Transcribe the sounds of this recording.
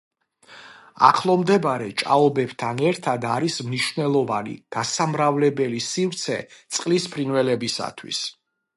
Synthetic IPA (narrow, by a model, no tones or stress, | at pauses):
a̰χlˠɔmd̪ɛbaɾɛt͡ʃʼa̰ɔbɛb̥t̪ʰanɛɾt̪ʰad̪aɾismniʃvnɛlˠɔvanḭd̪̥asamɾavlɛbɛlisivɾt̪sʰɛt̪sʼqʼlispʰɾinvɛlɛbisa̰t̪ʰwḭs